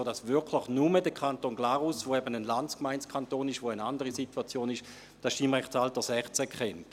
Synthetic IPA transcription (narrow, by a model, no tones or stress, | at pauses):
od̥asvʏɐkʰlɪχnumədəkʰantoːnɡlaːʁusvoɛbənənlanskmaɪnskʰantoːnɪʃʋoənandəʁisituat͡sjoːnɪʃ | d̥asʃtiːmʁɛχt͡saltəsɛχt͡sɛkʰχɛnt